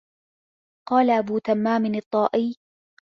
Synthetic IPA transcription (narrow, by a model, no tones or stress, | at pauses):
qɑːlaʔabuːt̪amːaːmɪnɨt̪ˤːɑːʔɪj